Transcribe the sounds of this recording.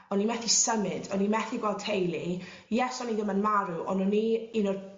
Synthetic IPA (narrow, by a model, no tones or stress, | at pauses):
ɔnimɛθisəmɨdɔnimɛθiɡwɛlˠd̚tʰejlˠi | jɛsɔniðəmənmaɾuʔɔ̰nuniinɔd